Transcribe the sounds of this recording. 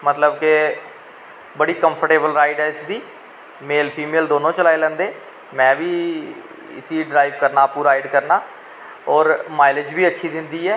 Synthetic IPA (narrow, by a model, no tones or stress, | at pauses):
mət̪ləbke | bəɽiːkəmpʰəɾʈeːbəlɾaːɪɖɛːɪsd̪iː | meːlpʰiːmeːld̪oːnõːt͡ʃəlaːeːlɛ̃ːnd̪eː | mɛ̃ːʋiː | ɪ̰siːɖɾaːiʋkəɾnaːpuːɾaːiɖkəɾnaː | ɔːɾmaːɪlɪd͡ʒbiːətːʃʰiːd̪ɪnd̪iːɛː